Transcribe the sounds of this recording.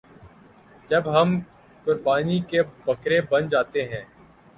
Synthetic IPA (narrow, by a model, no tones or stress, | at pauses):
d͡ʒɐbɦɐm | kʊɾbaːnikebɐkɾebɐnd͡ʒaːt̪eɦɛ̃ː